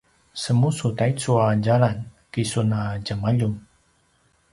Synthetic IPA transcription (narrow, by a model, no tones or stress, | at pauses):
səmusutait͡suaɟaɭankisunaɟamaʎum